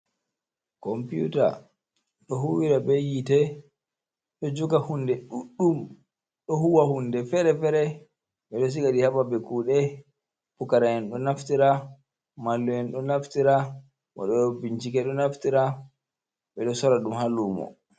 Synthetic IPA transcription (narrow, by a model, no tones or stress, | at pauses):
kɔmpijṵta̰ | ɗɔɦuwiɾabɛjitɛ | ɗɔd͡ʒukahundɛɗuɗːum | ɗɔhuwahundɛfɛɾɛfɛɾɛ | ɓɛɗɔs̬iɡaɗihababɛkuːɗɛ | pukaɾajɛnɗɔnaftiɾa | malːuɛnɗɔnaftiɾa | mɔ̰ɗɔbiɲt͡ʃikɛɗɔnaftiɾa | ɓɛɗɔsɔɾaɗumhalːumɔ̰